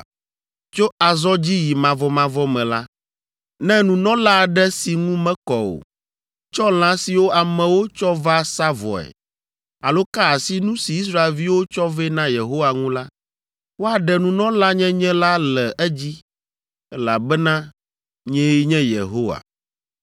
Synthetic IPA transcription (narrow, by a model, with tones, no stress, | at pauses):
t͡ʃo˦a˨zɔ˦d͡ʑi˦ji˨mã˨vɔ˨mã˨vɔ˦mɛ̃˨la˦ | nɛ̃˦nũ˨nɔ̃˦la˦˨ɖɛ˦si˨ŋũ˦mɛ̃˦kɔ˨o̰˨ | t͡ʃɔ˦l̃ã˦si˨wo˦a˨mɛ̃˨wo˦t͡ʃɔ˦va˦sa˦vɔ̰˨ɛ̰˨ | a˨lo˦ka˦a˨si˦nũ˦si˨i˦s̬ɾa˦e˨lvi˦wo˦t͡ʃɔ˦vɛ˦nã˦je˨ɦo˦wa˨ŋũ˦la˦ | wo˦a˨ɖɛ˨nũ˨nɔ̃˦la˦ɲɛ̃˦ɲɛ̃˦la˦lɛ˨ʔɛ˦d͡ʑi˦ | ɛ˦la̰˨bɛ˦nã˦ | ɲɛ̃˦ji˦ɲɛ̃˦jḛ˨ɦo˦wa̰˨